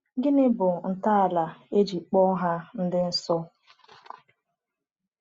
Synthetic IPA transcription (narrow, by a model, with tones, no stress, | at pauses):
ɡɪ˦nɪ˦bʊ˨n̩˨ta˦a˨la˨e˦d͡ʒi˨k͡pɔ˦ɦa˦n̩˦dɪ˦n̩˦sɔ˦